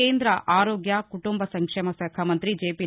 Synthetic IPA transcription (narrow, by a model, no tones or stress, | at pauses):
eːnd̪ɾɐʔaːɾoːɡjɐkuʈumbɐsɐŋkʂemɐsɐkʰɐmɐnt̪ɾid͡ʒeːpi